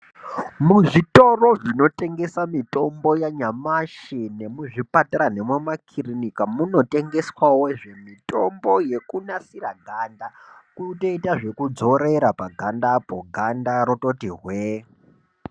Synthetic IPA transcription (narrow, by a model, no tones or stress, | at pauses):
muʐito̞ro̞ʐino̞te̞ŋɡe̞samito̞mbo̞jaɲamaʃine̞muʐipataɾane̞mwemakʰirinikamuno̞te̞ŋɡe̞swawoʐe̞mito̞mbo̞je̞kunasiraɡʱandakutoitaʐe̞kud͡zo̞ɾe̞ɾapaɡʱandapoɡʱandaɾoto̞tiɦwe